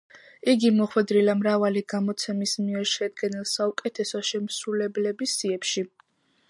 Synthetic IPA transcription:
iɡimɔχwɛd̪ɾilamɾavaliɡamɔt̪sʰɛmismiɛɾʃɛd̪ɡɛnilˠsaukʼɛt̪ʰɛsɔʃɛmsulɛblɛbisiɛpʃi

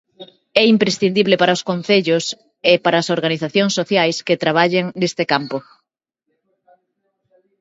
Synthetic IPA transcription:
ɛimpɾesθind̪iβlepaɾaoskon̟θeʎos | epaɾɐːsoɾɣaniθaθjoŋsːoθjajsket̪ɾaβ̞aʎeŋnest̪ekampo

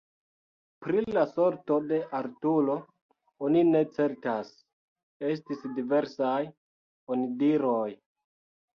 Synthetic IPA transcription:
pɾilaso̞ɾto̞de̞ʔaɾtulo̞ | onine̞t͡se̞ɾtas | e̞s̬tisdive̞ɾsaj | onidiɾo̞j

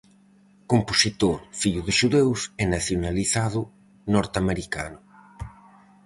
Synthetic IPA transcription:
komposit̪oɾfiʎuðɪʃuðewsɛnaθjonaliθaðʊ | nɔɾt̪ameɾika̰nʊ

